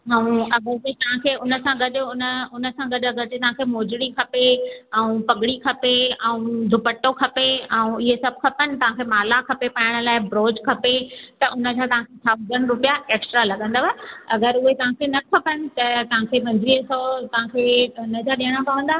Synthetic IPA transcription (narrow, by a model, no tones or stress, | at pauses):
ɦɐũɐɡəɾd͡ʑet̪ɐʋ̤ãkʰeʊnə̆sãɡɐɗ̆ʊnəʊnə̆sãɡɐɗɐɡəɾd͡ʑet̪ɐɦãkʰemoːd͡ʑɪɽikʰɐpeɛũpɐɡɽikʰɐpeɛũd̪ʱʊpəʈːokʰɐpeɛ̃ũɪɦesɐb̚ʱkʰɐpənɪ̆t̪ɐʋ̤ãkʰeːmaːlakʰɐpepaːjɪɽ̃ə̆laːɪbɾoːd͡ʑkʰɐpet̪ɐʔʊnə̆d͡ʑat̪ɐʋ̤ãkʰesʰaʋzənɾʊpijaeːksʈɾalɐɠə̃nd̪aɦaeɐɡəɾʊɦet̪ɐʋ̤ãkʰenɐkʰɐpənɪ̆t̪ɐt̪ɐʋ̤ãkʰeɓɐ̃nd̪ɾiəsot̪ɐʋ̤ãkʰenɐd͡ʑaɗiəɽ̃apɐʋə̃nd̪aː